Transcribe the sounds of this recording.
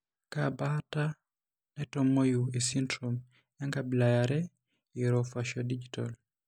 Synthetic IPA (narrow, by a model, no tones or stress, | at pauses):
kabata | nɛtɔmojuesindɾom | jaŋɡabilajaɾɛ | iɾɔfaʃɔdid͡ʒita̰l